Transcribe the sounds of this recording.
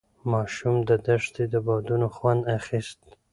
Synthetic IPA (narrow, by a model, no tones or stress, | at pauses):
mɑʃumd̪əd̪aʂt̪ed̪əbɑd̪unoxwand̪axist̪